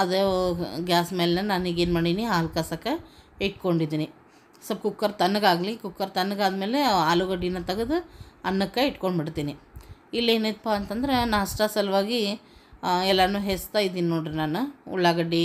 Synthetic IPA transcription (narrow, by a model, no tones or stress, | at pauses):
ɐd̪eɡaːsmeːlenɐnaːniɡeːnmaːɽiniaːlkasɐkːɐiʈko̞ɳɖid̪iːni | sɐbkukːɐɾt̪ɐnːɐɡaːɡlikukːɐɾt̪ɐnːɡaːd̪me̞ːleaːluɡɐɖinːɐt̪ɐɡɐd̪uɐnːɐkːɐiʈkoɳɖbiɽt̪iːniilːeːnet̪̚paɐnt̪ɐnd̪ɐɾenaɐsʈasɐlʋaːɡi | ɛlːanuːɦest̪aːjid̪iːninoːɽenaːnuṵɭːaɡɐɖi